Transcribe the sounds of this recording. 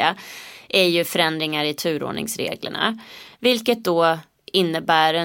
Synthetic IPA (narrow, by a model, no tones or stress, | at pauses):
aʔæɾjɵfœɾɛnd̪ɾɪŋaɾɪt̪ʰʉ̟ːɾo̰ːɳɪ̰ŋsɾḛːɡlə̰ɳa̰vɪlkət̪̚d̪ɔ | ɪnːəbæːɾɛ